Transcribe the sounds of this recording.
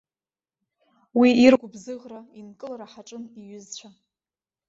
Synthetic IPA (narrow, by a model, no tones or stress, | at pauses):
wiirɡʷʊbzɨʁrainkʼɨlaɾaħaʈ͡ʂʼɨniɥʏzt͡ɕʷʰa